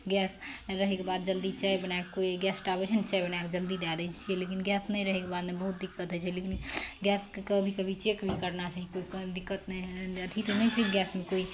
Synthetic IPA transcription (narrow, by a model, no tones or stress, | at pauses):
ɡɛsɾəɦekebad̪̚d͡ʒəld̪it͡ʃajbənaekkoiɡɛsʈabet͡ʃʰənt͡ʃajbənaeked͡ʒəld̪id̪ad̪ət͡ʃt͡ʃʰielekinɡɛsnəiɾəɦekebad̪mebəɦut̪̚d̪ikːət̪ɦət͡ʃʰielekinɡɛskkəbʱikəbʱit͡ʃekbʱikəɾnat͡ʃaɦikoid̪ikːət̪nɛət̪ʰit̪onəjt͡ʃʰəɦiɡɛsmekoi